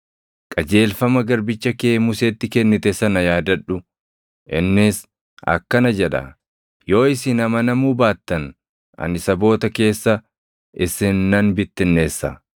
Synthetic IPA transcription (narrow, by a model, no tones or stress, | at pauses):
kʼɐd͡ʒe̞ːlfɐmɐɡɐɾbɪt͡ʃːɐkeːmʊseːt̪ːɪkɛnːɪt̪ɛsɐnɐjaːd̪ɐᶑʊ | ʔɪnːɪs | ʔɐ̰kːɐnɐd͡ʒɛᶑɐ̰ | jo̞ːɪsɪnɐmɐnɐmuːbaːt̪ːɐn | ɐ̰nɪsɐbo̞ːt̪ɐke̞ːsːɐ | ɪsɪnːɐnbɪt̪ːɪnːe̞ːsːɐ̰